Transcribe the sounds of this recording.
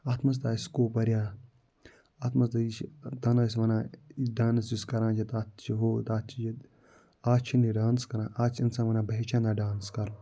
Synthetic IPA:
aːt̪ʰmɐs̬d̪aːiskoːpɐɾjaː | aːt̪ʰmɐs̬d̪ait͡ʃt̪anas̬ʲʋɐnãːidaːnɐsiskɐɾãːt͡ʃʰɐt̪aːt̪t͡ʃʰiɦoːt̪aːt̪t͡ʃʰid͡ʒit̪ | aːt͡ʃʰiniɖaːnskɐɾãːʔaːt͡ʃʰinsãːʋɐnãːbɐet͡ʃʰãːnd̪aːɖaːnskɐɾ

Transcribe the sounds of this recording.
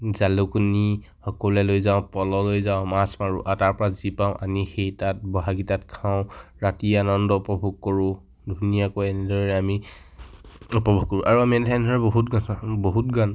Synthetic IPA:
zalukuni | xɔkɔlɛlojzaʊ̃pɔlɔlojzaʊ̃masmaɹuʔataɹpɔɹazipaʊ̃ʔa̰mixejtat̚bɔɦaɡitatkʰaʊ̃ɹatianɔndɔupɔbʱuɡ̚koɹʊ̃ | dʱunijakojɛnɛdʱɔɹɔɹɛami | upɔbʱuɡ̚kːɔɹʊ̃ʔaɹuamiɛnɛtʰandʱɔɹɛboɦutɡasboɦut̚ɡan

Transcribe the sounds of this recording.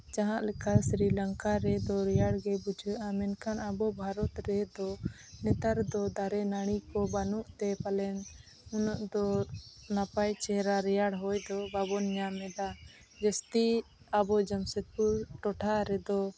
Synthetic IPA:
d͡ʒaɦãʔlɛkʰasɾilaŋkaɾɛd̪ɔɾɛjaɽɡɛbud͡ʒʱəʔamɛnkanabɔbʱaɾɔt̪ɾɛd̪ɔ | nɛt̪aɾd̪ɔd̪aɾɛnaɽ̃ikɔbanuʔt̪ɛpalɛn | ɔnɔʔd̪ɔnapajt͡ʃɛɾaɾɛjaɽɦɔjd̪ɔbabɔnɲamɛd̪a | d͡ʒəst̪i | abɔd͡ʒəmsət̪̚puɾʈɔʈʰaɾɛd̪ɔ

